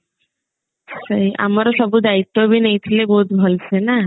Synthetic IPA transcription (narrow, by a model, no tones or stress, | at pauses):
səjʔa̰maɾosɔbud̪ait̪ːobinejt̪ʰilebɔɦut̪bʱɔlsʰena